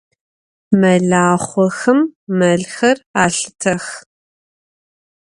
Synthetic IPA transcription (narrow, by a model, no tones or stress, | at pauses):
mɐɮaːχʷɔxɐmːɐɮxɐraːɬɨtʰɐx